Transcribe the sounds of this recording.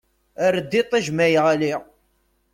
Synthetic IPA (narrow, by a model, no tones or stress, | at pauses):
əɾəd̪ːit̪ˤːæʒmæjʁæli